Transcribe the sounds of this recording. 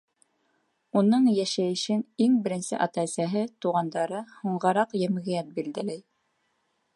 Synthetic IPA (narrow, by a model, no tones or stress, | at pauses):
unɤɴjæʃæjɘ̆ʃɘniŋbɘ̆ɾɘ̆nsɘ̰ʔɑt̪æsæɦɘt̪uʁɑnd̪ɑɾɤhŭɴʁɑɾɑqjɘ̆mɣĭjæt̪̚bild̪ælæj